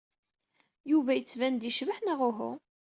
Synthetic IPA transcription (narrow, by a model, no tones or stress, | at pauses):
juvæjət͡sːvænd̪iʃvəħnaʁʊɦʊ̰